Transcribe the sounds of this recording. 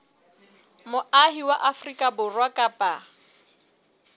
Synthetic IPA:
mʊaɦiwaʔafrikʼabʊrwakʼapʼa

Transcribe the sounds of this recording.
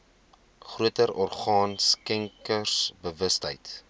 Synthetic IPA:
χruətəɾɔrχɑːnskɛŋkərsbəvəstɦəjt

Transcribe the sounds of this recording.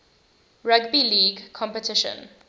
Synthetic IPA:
ɾəɡbiliːɡkʰɔ̃mpetɪʃə̰̃n

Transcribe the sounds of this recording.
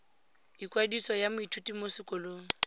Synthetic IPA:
ikʼwadisɔjamʊitʰutʼimosɪkʼɔloːŋ̩

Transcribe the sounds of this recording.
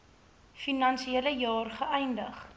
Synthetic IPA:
finɐnsieləjɑːrχəʔɛjndəχ

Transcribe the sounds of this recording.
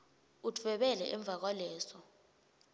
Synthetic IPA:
utʰvɛɓɛlɛ̰ʔɛɱb̪vʱak̬walɛːsɔ

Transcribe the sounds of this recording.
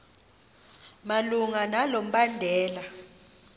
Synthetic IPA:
maluŋanalom̩ɓandʱɛːla

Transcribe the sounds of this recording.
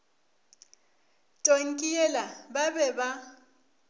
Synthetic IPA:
tʼoŋ̩kʼiɛlababɛba

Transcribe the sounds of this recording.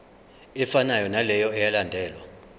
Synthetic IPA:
ɛfanajɔnalɛjɔɛjalandʱɛːlwa̰

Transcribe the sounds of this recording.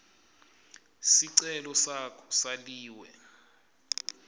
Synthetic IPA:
siǀɛlɔsakʰɔ̥saliːwɛ

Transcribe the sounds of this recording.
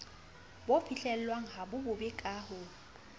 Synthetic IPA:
bofʰiɬɛl̩lwaŋ̩ɦabʊbʊbɪkʼaːhʊ

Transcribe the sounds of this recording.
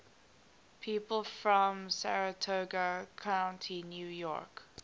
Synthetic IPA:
pʰiːˑpəlˠfɹɔ̃msæɹətʰoɡəkʰãʊ̃ntʰinjuːjɔ̰k

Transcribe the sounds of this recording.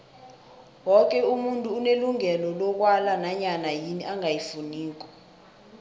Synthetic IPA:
wɔk̬ʼɛumuntʼuːneluŋɛlɔlɔk̬walanaɲanajiniʔaŋʱajifuniːk̬ɔ̥

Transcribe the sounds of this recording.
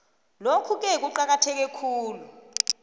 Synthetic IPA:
lokʰuk̬ʼɛk̬uǃak̬atʰɛk̬ɛkʰuːlu

